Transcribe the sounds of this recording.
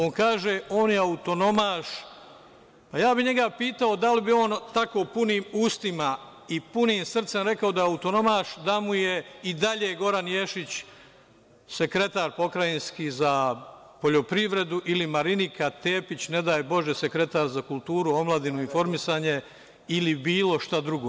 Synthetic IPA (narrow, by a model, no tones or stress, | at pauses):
oːŋkaːʒe̞oːnjeaut̪o̞no̞maːʃ | pajaːbiɲe̞ɡapiːt̪ao̞d̪alibio̞ːnt̪ako̞ːpuniːmuːst̪ima | ipuniːmsr̩t̪se̞mɾe̞kaod̪ajaut̪o̞no̞maːʃd̪amuje̞id̪aʎeːɡo̞ɾanjeːʃit͡ɕ | se̞kɾe̞t̪aːɾpo̞kɾajinskiːza | po̞ʎo̞pɾiʋɾe̞d̪uʔilimaɾinikʰat̪e̞ːpit͡ɕne̞d̪aːjbo̞ʒese̞kɾe̞t̪aːɾzakulˠt̪uːɾuo̞mlˠad̪inuinfo̞ɾmisaːɲe̞ | ilibiːlo̞ʃt̪ad̪ɾuɡoː